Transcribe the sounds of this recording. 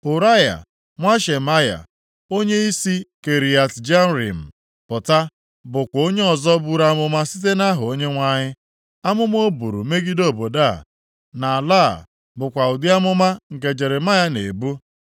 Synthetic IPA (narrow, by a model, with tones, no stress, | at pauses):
ʊ˨ɾa˦ja̰˨ | ŋʷa˦ʃe˨ma˦ja̰˨ | o˦ɲe˦i˦si˦ke˨ɾi˨a˨td͡ʒa˦n˦ɾḭ˨m̩˨ | pʊ˨ta˦ | bʊ˨kʷo˦ɲe˦ɔ˨zɔ˦bu˦ɾa˦mʊ˦ma˦si˦t̬e˦na˦ɦʊ˨o˦ɲe˦ŋʷa˦ɲɪ˦ | a˦mʊ˦m˦o˦bṵ˨ɾṵ˨me˦ɡi˦do˦˨bo˨da˦˨ | na˨la˦˨ | bʊ˨kʷa˨ʊ˨dɪ˦a˦mʊ˦ma˦ŋ̩˨ke˨d͡ʒe˨ɾe˨ma˦ja˦nḛ˨bu˦